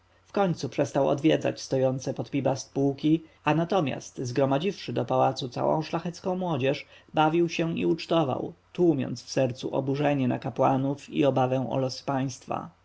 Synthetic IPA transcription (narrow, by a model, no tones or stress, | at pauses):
fkɔɲt̪supʂɛst̪awɔ̰d̪vʲjɛd̪za̰t͡ɕst̪ɔjɔnt̪sɛpɔt̪pʲibast̪puwkʲi | anat̪ɔmʲja̰st̪zɡɾɔmad͡ʑifʂɘd̪ɔpawat̪sut̪sa̰wɔ̰̃w̃ʂlaxɛt̪skɔ̃w̃mwɔd͡ʑɛʂbavʲiwɕɛḭut͡ʂt̪ɔva̰wt̪wumʲjɔ̰nt̪sfsɛɾt̪sṵʔɔ̰buʐɛɲɛna̰kapwanufḭɔbavɛ̃ɔ̰lɔspaj̃st̪fa̰